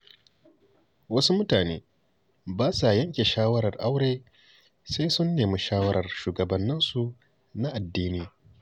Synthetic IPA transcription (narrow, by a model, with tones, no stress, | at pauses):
wɐ˦su˦mʊ˦taː˨neː˦ | baː˦sa˨jɐ˦ŋkʲeː˨ʃaː˦wɐ˦ɾɐ˨rʔa˦wɽeː˦ | se˦jsʊ˦nːeː˨mi˦ʃaː˦wɐ˦ɾɐ˨rʃuː˨ɡɐ˨bɐ˨nːɪ˦nsu˨ | na˦ʔa˨dːiː˦niː˦